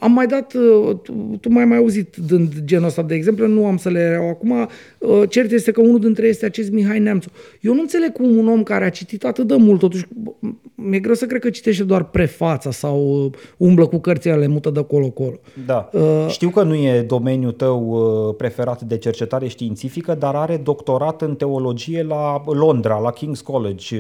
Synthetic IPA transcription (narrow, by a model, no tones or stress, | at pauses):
amːajd̪at̪ət̪umajmajauzit̪d̪ɨnd̪d͡ʒenost̪ad̪eːɡze̞mplenuamsəleɾeawakuma | ət͡ʃe̞rt̪je̞st̪e̞kəunud̪int̪ɾeje̞st̪eat͡ʃe̞st̪ʲmiɦajnamt̪sojewnuɨnt̪sele̞ɡ̚kumuno̞mkaɾeat͡ʃit̪it̪at̪ɨt̪̚d̪emult̪ːo̞t̪uʃʲ | mje̞ɡɾewsəkɾe̥kət͡ʃi̥t̪e̞ʃ̬t̪ed̪oarpɾe̞fat̪səsawəumbləkukərt̪sijalemut̪əd̪əko̞loako̞lo̞d̪aəʃt̪iwkənuje̞d̪o̞me̞njut̪əwpɾe̞fe̞ɾat̪d̪e̞t͡ʃe̞rt͡ʃe̞t̪aɾe̞ʃt̪iːnt̪sifikəd̪aɾaɾe̞d̪o̞kt̪o̞ɾat̪ɨnt̪e̞o̞lo̞d͡ʒije̞lalo̞nd̪ɾalakʲiŋɡskoled͡ʒʲ